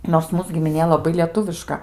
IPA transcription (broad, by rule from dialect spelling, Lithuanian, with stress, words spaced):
noːrs ˈmuːs ɡʲɪmʲɪˈnʲeː lˠɐˈbɐɪ lʲiɛˈtʊʋʲɪʃkɐ